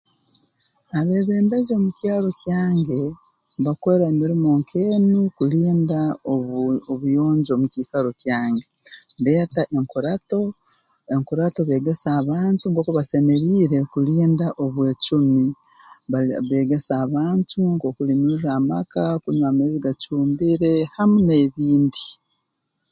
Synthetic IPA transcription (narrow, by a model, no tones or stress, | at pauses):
aβe̞ːβeːndazo̞mucjaːlo̞cjaːŋɡe̞ | βakoɾamiɾimoːŋkʰeːnukuliːndaooβujo̞ːɲɟo̞ːmuciːkaɾo̞cjaːŋɡe̞βeːtaʔeŋkuɾato | eŋkuɾatoβe̞ːɡe̞saːβaːntuŋko̞ːkoβase̞me̞ɾiːɾe̞kuliːndaʔo̞βwe̞ːcumi | aβe̞ːɡe̞saβaːntʰuŋko̞ːkulinuramakakuɲwameziɡacuːmbiɾe̞hamune̞βiːndi